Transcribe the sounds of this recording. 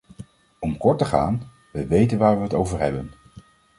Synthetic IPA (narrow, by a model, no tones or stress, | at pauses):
ɔmkɔɹtəχa̰ːn | ʋəʋejtənʋaːɹʋəɦətowvəɹɦɛbən